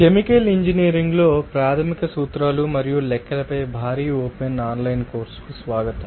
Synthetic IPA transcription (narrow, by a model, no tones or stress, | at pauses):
kemikeliɲd͡ʒiniːɾiŋɡlo̞ːpɾaːt̪ʰɐmikɐsuːt̪ɾaːlumɐɾijulɛkːɐlɐpɐjbʱaːɾiːoːpenaːnlɐjnko̞ːɾskusʋaːɡɐt̪ɐm